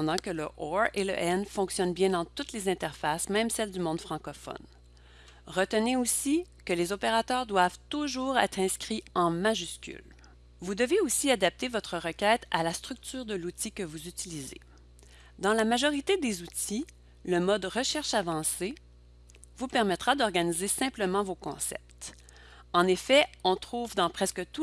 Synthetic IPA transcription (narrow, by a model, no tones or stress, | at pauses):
d̪ɑ̃kələʔɔʁelə̰ʔɛnfɔ̃ksjɔnbjɛ̃d̪ɑ̃t̪ut̪lezɛ̃t̪ɛʁfasmɛ̃msɛld̪ymɔ̃d̪fχɑ̃kɔfɔ̰n | ʁət̪əneosi | kəlezɔpeʁat̪œːʁd̪wav̥t̪uʒuːʁɛ̰ːt̪χɛ̃skχiɑ̃maʒyskʲy̰l | vud̪əveosiad̪ap̚t̪evɔt̪χəʁəkʲɛːt̪alast̪ʁyk̚t̪yːʁd̪əlut̪ʰikəvuzyt̪ilizḛ | d̪ɑ̃lamaʒɔʁit̪ed̪ezut̪ʰi | ləmɔd̪ʁəʃɛʁʃavɑ̃se | vupɛʁmɛt̪χad̪ɔʁɡanizesɛ̃pləmɑ̃vokɔ̰̃sɛ̰p̚t̪ | ɑ̃nefɛɔ̃t̪χuːvd̪ɑ̃pχɛskət̪u